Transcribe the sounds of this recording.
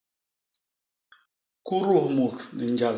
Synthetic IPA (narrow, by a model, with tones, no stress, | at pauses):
ku˦ɾu˦˨hmu˨tnɛ˨n̩˦d͡ʒa˨l